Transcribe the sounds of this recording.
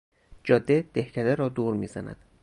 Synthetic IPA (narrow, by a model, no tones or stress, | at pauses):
d͡ʒɒːd̪ːed̪̥ehcʰæd̪eɾɒːd̪uːɾmiːzænæ̰d̪̥